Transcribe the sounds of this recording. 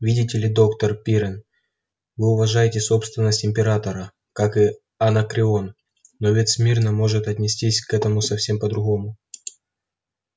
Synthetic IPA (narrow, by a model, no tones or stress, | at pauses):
vʲidʲɪtʲɪlʲɪd̪o̞kt̪ərpʲiɾʲɪn | vɨʊvɐʐajɪtʲɪso̞pst̪vʲɪnːəsʲtʲɪmʲpʲɪɾat̪əɾə | kakɨ | ɐnəkɾʲɪo̞n | nːo̞vʲet̪smʲirnəmo̞ʐɨt̪ɐt̪ʲnʲɪsʲtʲisʲkɛt̪əmʊsɐfsʲe̞mpəd̪ɾʊɣo̞mʊ